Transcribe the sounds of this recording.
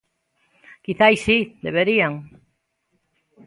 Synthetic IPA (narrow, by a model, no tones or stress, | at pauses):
kiθajsid̪eβ̞eɾiaŋ